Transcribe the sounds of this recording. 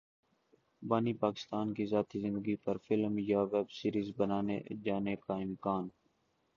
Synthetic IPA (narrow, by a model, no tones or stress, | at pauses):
baːniːpaːkɪ̥st̪aːnkiːzaːt̪iːzɪ̃nd̪əɡiːpəɾfɪlmjaːʋɛːbsiːɾiːzbənaːnḛd͡ʒaːneːkaːɪmkaːn